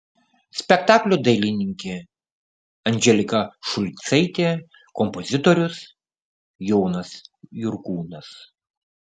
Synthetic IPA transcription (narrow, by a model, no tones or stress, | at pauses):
sʲpʲɛkt̪ɑːklʲʊd̪ɐɪlʲɪnʲɪŋʲkʲe | ɐnʲd͡ʒʲɛlʲɪkɐʃʊlʲt̪sɐɪt̪ʲeː | kɔmpɔzʲɪt̪oɾʲʊs | jɔːnɐsjʊɾkuːnɐs